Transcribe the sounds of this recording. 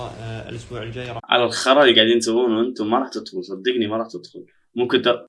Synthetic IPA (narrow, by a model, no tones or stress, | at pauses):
ʔʊsbuːʕʕa̰lalxɑɾˤɑliɡaʕd̪iːnt̪akuːnwʔɪnt̪ʊmaɾˤɑːħt̪ɪd̪xʊlsˤɑd̪ːiqnimaɾˤɑːħt̪ɪd̪xʊl | mʊmkɪnd̪